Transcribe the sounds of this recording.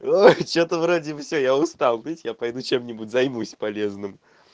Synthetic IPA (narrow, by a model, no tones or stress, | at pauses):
ojt͡ɕo̞t̪əvɾodʲɪbəfsʲojaʊst̪alˠd̪ʲitʲɪjapɐjd̪ut͡ɕe̞mnʲɪbutʲzɐjmusʲpɐlʲe̞znɨm